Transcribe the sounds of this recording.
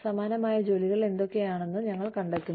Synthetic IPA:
sɐmaːnɐmaːjɐd͡ʑo̞ːliɣɐɭe̞nd̪o̞kːe̞jaːɳe̞nːɨɲɐŋːɐɭkɐɳɖet̪ːunː

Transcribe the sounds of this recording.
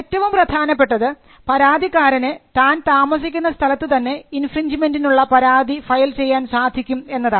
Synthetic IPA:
etːɐʋumprɐd̪ʱaːnɐpːe̞ʈːɐðɨ | pɐɾaːd̪ʱikːaːɾɐnet̪aːnt̪aːmɐsikʲːunːɐst̪ʰɐlɐt̪ːɨt̪ɐnːe̞infrind͡ʑime̞ndinuɭːɐpɐɾaːd̪ʱifɐjlt͡ɕe̞jːaːnsaːd̪ʱikʲːume̞nːɐðaː

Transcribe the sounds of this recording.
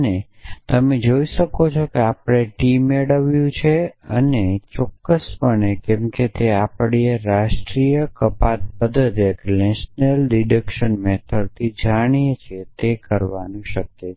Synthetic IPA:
ənet̪əmed͡ʒoiʃəkot͡ʃʰokeapɽ̃eʈimeɽəʋjũt͡ʃʰeənet͡ʃɔkːəspəɳekemket̪eapɽ̃ieɾaʃʈɾijəkəpat̪̚bəd̪ʱət̪əknɛʃnəlɖiɖəkʃənmet̪ʰəɽt̪ʰid͡ʒaɽ̃iet͡ʃʰet̪ekəɾʋanũʃəkːe

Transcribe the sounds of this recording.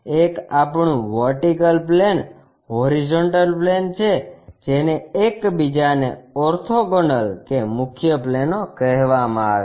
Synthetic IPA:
ekapɳũʋəɾʈikəlplen | ɦɔɾid͡ʒoɳʈəlplent͡ʃʰed͡ʒeneekbid͡ʒaneɔɾt̪ʰoɡɔɳɖəlkemʊkʰjəplenokəɦʋamãa̰ʋe

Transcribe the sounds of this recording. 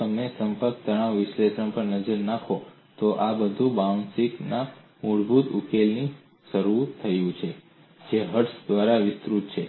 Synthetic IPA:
əmesəmpəɾk̚t̪əɽ̃ãʋʋɪʃlesəɳ̃pəɾnəd͡ʒəɾnakʰo | t̪oʔabəd̪ʱũbawsikna | muɭbʱut̪ṵkelni | ʃəɾut̪ʰːəjũt͡ʃʰe | d͡ʒeɦəʈsd̪ʋaɾaʋɪst̪ɾut̪̚t͡ʃʰe

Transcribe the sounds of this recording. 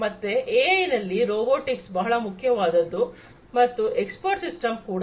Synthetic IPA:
mɐt̪ːeʔeːɐjnɐlːiɾoːboːʈiksbɐɦɐɭɐmukʰːjɐʋaːd̪ɐd̪ːu | mɐt̪ːuekspoɾʈsisʈɐmkuːɽ

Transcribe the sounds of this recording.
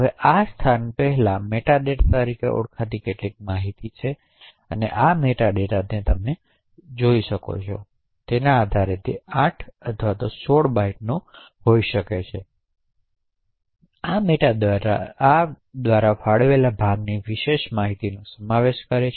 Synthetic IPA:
ɦəʋeʔast̪ʰanpɛɦɛlãmeʈaɖeʈt̪əɾikḛʔo̰ɽkʰat̪ikeʈlik̚maɦit̪it͡ʃʰe | ə̰nḛʔameʈaɖeʈad̪net̪əmne | d͡ʒoiʃəko̰t͡ʃʰo | t̪enaːd̪ʱaɾet̪ʰḭãʈʰət̪ʰʋat̪osoɽbaiʈnõ | ɦoiʃəket͡ʃʰe | ameʈad̪aɾaa | d̪ʋaɾafaɽʋelabʱaɡniʋiʃeʃmaɦit̪inosəmaʋeʃkəɾet͡ʃʰ

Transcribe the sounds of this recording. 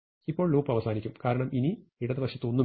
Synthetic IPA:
ipːo̞ːɭluːpːɐʋɐsaːnikʲːumkaːɾɐɳɐmʔiniiɽɐðɨbɐkʂɐt̪ːɨo̞nːu

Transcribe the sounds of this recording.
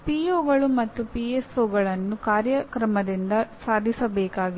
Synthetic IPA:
piːoːɡɐɭumɐt̪ːupiesoːɡɐɭɐnːukaːɾjɐkɾɐmɐd̪ind̪ɐsaːd̪ʱisɐbɛːkaːɡi

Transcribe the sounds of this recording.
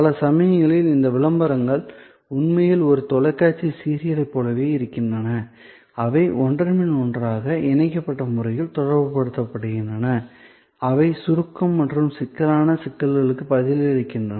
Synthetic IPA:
pɐlɐsɐmɐjɐŋɡɐɭɪlɪnd̪ɐʋɪlɐmbɐɾɐŋɡɐɭ | ʊnmɐjɪlɔɾɯt̪ɔlɐɪkːaːt͡ʃːisiːɾɪjɐlɐɪpːoːlɐʋeːɪɾɯkːɪndrɐnɐ | ɐʋɐɪʔɔɳɖrɐmɪnɔndraːɣɐɪnɐɪkːɐpːɐʈːɐmʊrɐjɪlt̪ɔɽɐɾbɯpɐɽɯt̪ːɐpːɐɽɯɣɪndrɐnɐ | ɐʋɐɪsʊɾɯkːɐmːɐʈrɯmsɪkːɐlaːnɐsɪkːɐlɣɐɭɯkːɯpɐðɪlɪɾɯkːɪndrɐnɐ

